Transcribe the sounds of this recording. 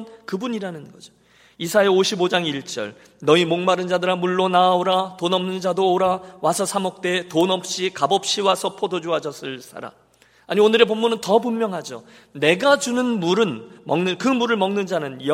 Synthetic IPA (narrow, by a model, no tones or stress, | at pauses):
nkɯbuɲiɾanɯnɡʌd͡ʑo̥ | isʰaeoɕʰibod͡ʑaŋiɭt͡ɕ͈ʌ̰ɭ | nʌimoŋmaɾɯnd͡ʑadɯɾamuɭːonaoɾatonʌmnɯnd͡ʑadoːɾawasʰʌsʰamʌk̚t͈e̞tonʌp̚ɕ͈ikabʌp̚ɕ͈iwasʰʌpʰodod͡ʑuad͡ʑʌs͈ʰɯɭs͈ʰa̰ɾa̰ | aɲionɯɾe̞pomːunɯntʌpummjʌŋɦad͡ʑo | ne̞ɡad͡ʑunɯnmuɾɯnmʌŋnɯnkɯmuɾɯɭmʌŋnɯnd͡ʑanɯnjʌ